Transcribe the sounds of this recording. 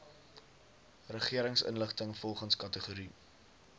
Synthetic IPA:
rəχiəɾəŋsə̰nləχtəŋfɔlˠχənskɐtəχuɾi

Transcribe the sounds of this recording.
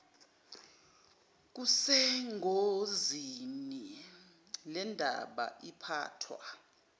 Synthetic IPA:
k̬usɛŋʱozini | lɛndʱa̰ɓa̰ipʰa̰ːtʰwa̰

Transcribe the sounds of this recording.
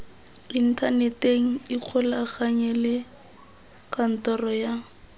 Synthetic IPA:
in̩tʰaneteŋ̩ɪq͡χʰʊlaːχaɲɛlɪ | kan̩tɔrɔja

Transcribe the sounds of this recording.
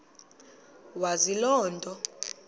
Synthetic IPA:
wazilɔːntʼɔ

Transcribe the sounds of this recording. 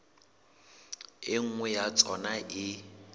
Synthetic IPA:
ɪŋ̩ŋwɛjat͡sʰʼɔnaʔɪ

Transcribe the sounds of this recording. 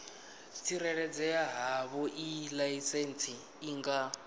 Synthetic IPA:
t͡sʰiɾɛɺɛd͡zɛaɦaβɔʔilajisɛnt͡sʰʼiː | ŋɡa

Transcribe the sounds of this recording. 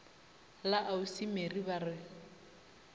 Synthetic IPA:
laʔausimeribarɪ

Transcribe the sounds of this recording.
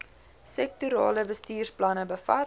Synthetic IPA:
sɛk̚tuɾɑ̰ːləbəstiːrsplɐnəbəfɐ

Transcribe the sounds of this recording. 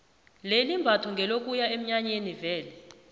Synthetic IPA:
lelimbʱatʰɔŋɡʱɛlokʼujaem̩ɲaɲenivɛːlɛ

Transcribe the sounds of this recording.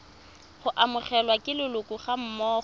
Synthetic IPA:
χʊʔamʊχɛlwakʼɪlɪlʊkʼuχam̩mɔː

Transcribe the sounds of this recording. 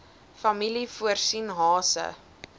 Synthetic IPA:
fɐmilifuərsinɦɑːsə̰

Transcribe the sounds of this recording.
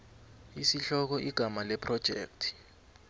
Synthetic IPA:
isiɬɔk̬ɔʔiɡ̥ʱamalɛpʰʼrɔd̥ʒ̥ʱḛːk̚tʰi̥

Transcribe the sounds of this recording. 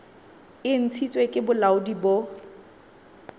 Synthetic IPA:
ɪn̩t͡sʰit͡sʼwekʼɪbʊlaʊdibo

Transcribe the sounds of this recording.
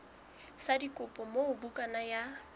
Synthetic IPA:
sadikʼʊpʼɔmoʊbukʼanaja

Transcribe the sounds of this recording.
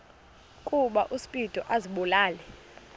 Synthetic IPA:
kʼuɓaʔusi̥pʼitʼɔʔaziɓɔlaːlɛ

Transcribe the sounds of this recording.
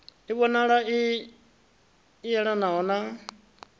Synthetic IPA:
iβɔnaɺai | jɛɺanaɔna

